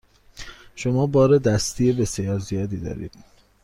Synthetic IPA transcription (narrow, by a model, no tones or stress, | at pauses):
ʃomɒːbɒːɾed̪æst̪ʰijebe̞sijɒːɾzijɒːd̪iːd̪ɒ̰ːɾḭːd̪̥